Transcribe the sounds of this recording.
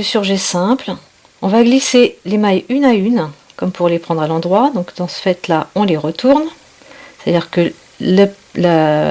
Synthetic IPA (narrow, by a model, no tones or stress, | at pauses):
d̪əsyʁʒɛsɛ̃pl | ɔ̃vaɡliselemajynayn | kɔmpuʁlepχɑ̃d̪ʁalɑ̃d̪ʁwad̪ɔ̃kd̪ɑ̃sə̥fɛt̪laɔ̃leʁət̪ʰuʁn | se̥t̪ad̪iʁkə | lələ